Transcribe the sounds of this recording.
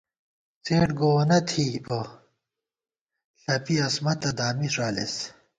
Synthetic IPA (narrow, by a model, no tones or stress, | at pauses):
t͡seːʈɡonɐt̪ʰibo | ɬɐpiɐsmɐt̪ɐd̪aːmiʂaːlḛs